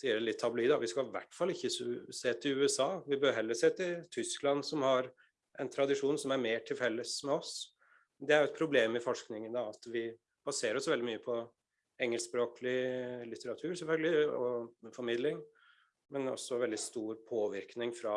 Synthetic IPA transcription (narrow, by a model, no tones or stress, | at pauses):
siːəɭɪt̪ʰːɑbliːd̪ɑʋɪskɑʋæ̰ʈːfɑlɪçːəseːt̪ʰɪʉːɛsɑːʋɪbøːɾɦɛlːəseːt̪ʰɪt̪ʰʏsklɑnsɔmhɑɾ | ʔɛnt̪ʰɾɑd̪ɪʂuːnsɔmæɾmeːʈʰɪlfɛlːəsmɛɔs | d̪ɛæɾʊɛt̪̚pʰɾʊbleːmɪfɔʂknɪŋənd̪ɑɑt̪ʋɪ | b̥ɑseːɾɔsʋɛld̪ɪmyːəpʰɔ | ɛŋːəlspɾoːklɪlɪt̪əɾɑt̪ʰʉːɾsɛfœlɡəlɪɔfɔɾmɪd̪lɪŋ | mɛnɔ̰sːɔʋɛld̪ɪst̪uːɾpʰoːʋɪɾknɪŋfɾɑ